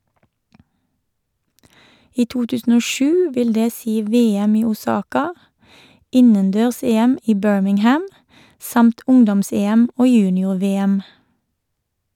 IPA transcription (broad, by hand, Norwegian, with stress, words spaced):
ˈiː ˈtuː ˈtʉːsn̩ ˈoː ˈʃʉː ˈʋɪl ˈdeː ˈsiː ˈʋeːˌɛm ˈiː ʊˈsɑːkɑ ˈɪnənˌdøːʁˈseːˌɛm ˈiː ˈbøːɹmɪŋˌhæm ˈsɑmt ˈʊŋdɔmˌseːɛm ˈoː ˈjʉːnɪʊʁˌʋeːɛm